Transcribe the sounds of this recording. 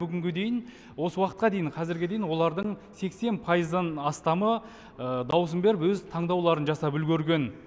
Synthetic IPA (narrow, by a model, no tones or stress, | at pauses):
bʏɡʲɪŋɡʲɪd̪e̞jɪn | wo̞səwɑqət̪qɑd̪e̞jɪɴqʰɑzɪɾɡʲed̪e̞jɪnwo̞lˠɑɾd̪əɴse̞kse̞npʰɑjəzd̪ənɑst̪ɑmə | əd̪ɑws̬əmbe̞ɾɪpwɵzt̪ʰɑɴd̪ɑwlˠɑɾənʒɑsɑpʏlɡʲeɾɡʲe̞n